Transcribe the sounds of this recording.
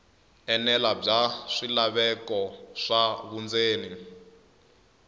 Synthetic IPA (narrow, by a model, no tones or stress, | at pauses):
ɛnɛlab͡ʐaʂilaβɛkɔʂaβund͡zeːni